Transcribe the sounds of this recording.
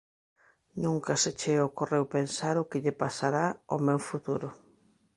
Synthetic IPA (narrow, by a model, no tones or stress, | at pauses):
nũŋkaset͡ʃeokorewpensaɾʊkɪʎepasaɾaomɛwfut̪uɾʊ